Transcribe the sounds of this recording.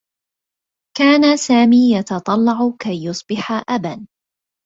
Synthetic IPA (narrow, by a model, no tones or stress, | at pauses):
kaːnasaːmiːjɑt̪ɑt̪ˤɑlːɑʕkajːʊsˤbɪħaʔaban